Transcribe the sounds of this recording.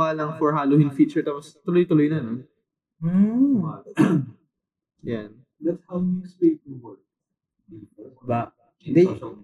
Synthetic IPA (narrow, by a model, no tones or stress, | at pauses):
aːlɐŋfɔɹɦaːlohɪnfiːt͡ʃɛɹt̪aːpost̪ʊlojt̪ʊlojnɐno | jan | d̪ɐt̪shawmispik̚wɔɹk | ba | ɪd̪ɛ